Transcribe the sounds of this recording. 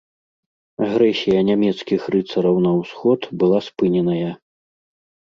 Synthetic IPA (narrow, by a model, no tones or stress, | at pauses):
aɣɾɛsʲijɐnʲamʲɛt̪skʲixrɨt̪sɐɾɐwnɐwsxɔt̪bɨlˠaspɨnʲɛnɐjɐ